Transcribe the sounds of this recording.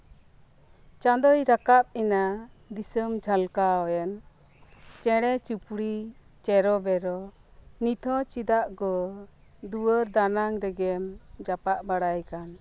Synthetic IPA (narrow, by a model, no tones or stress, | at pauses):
t͡ʃad̪ɔjɾakap̚ɛna | d̪isəmd͡ʒʱalkaɔjɛn | t͡ʃɛɽ̃ɛt͡ʃupɽi | t͡ʃɛɾɔbɛɾɔ | nit̪ʰɔ̃t͡ʃid̪aʔɡɔ | d̪uwəɾd̪anaŋɾɛɡɛmd͡ʒapaʔbaɽajkan